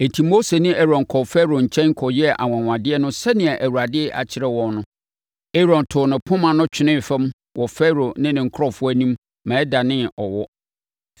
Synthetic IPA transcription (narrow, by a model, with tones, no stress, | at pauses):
e˨tʰi˨mo˦se˨nĩ˦ʔɛ˦ɾɔ̃˨ŋ˨kʰɔ˨fɛ˦ɾo˨ɲ̩˨t͡ɕʰɛ̃˦ŋ̩˦kʰɔ˨jɛ˦ʔa̰˨wã˨ŋ˨ã˨dɪ˦ɛ˦nʊ̃˦sɛ˦nɪ̃˨ɛ˨ʔæ˨wu˨ɾa˨dɪ˦ɛ˦ʔa̰˨t͡ɕʰɪ˦ɾɛ˦wɔ̃˨nnʊ̃˦ | e˦ɾɔ̃˨ntʰʊ˨nɪ̃˨pʰʊ̃˦mã˨nʊ̃˦t͡ɕᶣʰɪ˦nɪ̃˦˨fɛ̃˦m | wʔɔ˨fɛ˦ɾo˨nɪ̃˦nɪ̃˨ŋ̩˨kʰɾɔ˦fʊ˦æ˦nĩ˦m | mɛ̃ː˨˦da˨nɪ̃˦ɔ˨wɔ˦